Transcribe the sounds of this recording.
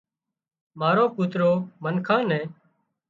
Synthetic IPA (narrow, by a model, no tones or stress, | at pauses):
maːɾoːpʊːt̪ɾoːmənkʰãːnɛ̃ː